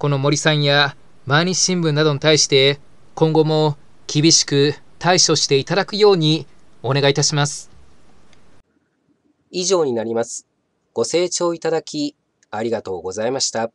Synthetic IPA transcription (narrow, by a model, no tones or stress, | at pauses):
ko̞no̞mo̞ɾʲisãɰ̃ja | maɲ̟ʲit͡ɕɕĩmbɯ̟̃nːad̪o̞ɲ̟it̪aiɕi̥t̪e̞ | kõ̞ŋɡo̞mo̞ | kʲibʲiɕi̥kɯ̟t̪aiɕo̞ɕi̥t̪e̞it̪ad̪akɯ̟jo̞ːɲ̟io̞ne̞ɡait̪aɕimasɨ̥ | iʑo̞ːɲ̟inaɾʲimasɨ̥ | ɡ̥o̞se̞ːt͡ɕo̞ːit̪ad̪akʲi | aɾʲiɡat̪o̞̰ːɡo̞zaimaɕi̥t̪a